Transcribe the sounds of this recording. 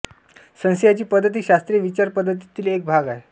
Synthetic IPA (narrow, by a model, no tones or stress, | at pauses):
sə̃sjat͡ɕiːpəd̪ʱːət̪̬iːɕast̪ɾijeʋit͡ɕaɾpəd̪ʱːət̪̬it̪iːlek̚bʱaɡae